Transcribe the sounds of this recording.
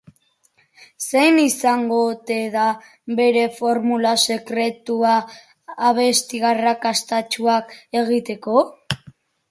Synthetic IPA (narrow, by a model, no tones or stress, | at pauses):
sejnisaŋɡo̞t̪e̞ða | βe̞ɾe̞fo̞ɾmulase̞kɾe̞t̪uaː | β̞e̞st̪iɣarakast̪at͡ʃuake̞ɣ̞it̪e̞ko̞